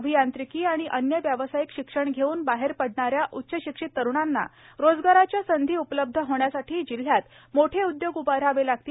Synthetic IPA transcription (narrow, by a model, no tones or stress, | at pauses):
bʱijant̪ɾikiːaɽ̃iʔənjəʋjəʋəsajikɕikʂəɳɡʱeuːnbaɦeɾpəɽɳaɾjaʔut̪ːɕəɕikʂit̪ːəɾuɳanːa̰ | ɾod͡zɡaɾat͡ɕjasənd̪ʱiːupləb̚d̪ʱəɦoɳjasaʈʰiːd͡ʑil̤ːjat̪ | moʈʰeud̪joɡupaɾaʋelaɡ̚t̪iː